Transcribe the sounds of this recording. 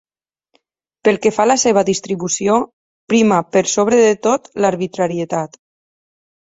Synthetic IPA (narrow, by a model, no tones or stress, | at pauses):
pəlˠkefaləseβaðist̪ɾiβusio | pɾimapəɾsoβɾeðet̪ot̪laɾβit̪ɾaɾiet̪at̪